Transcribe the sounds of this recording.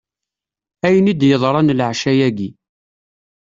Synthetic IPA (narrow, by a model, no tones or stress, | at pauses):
æjnid̪jəðˤɾˤɑnlʕʃæjæɡi